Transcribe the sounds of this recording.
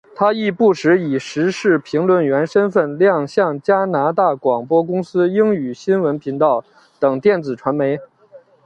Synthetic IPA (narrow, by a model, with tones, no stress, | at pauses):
t̪ʰa˥i˥˧pu˥˩ʂɻ̩˧˥i˨˩ʂɻ̩˧˥ʂɻ̩˥˩pʰi˧˥ŋlwə˥˩nɥɛ˧˥nʂə˥nfə˥˧nljɑ˥˩ŋɕjɑ˥˩ŋt͡ɕja˥na˧˥t̪a˥˩kwɑ˨˩ŋpwɔ˥kʊ˥ŋsɹ̩˥i˥ŋy˨˩ɕi˥nwə˧˥npʰi˧˥ŋt̪ɑ˥˩ʊ | t̪ɤ˨˩ŋt̪jɛ˥˩nt͡sɹ̩˨˩ʈ͡ʂʰwa˧˥nme˧˥ɪ